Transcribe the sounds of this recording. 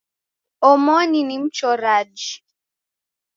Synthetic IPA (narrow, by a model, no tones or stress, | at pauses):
ɔmɔninim̩t͡ʃɔɾad͡ʒi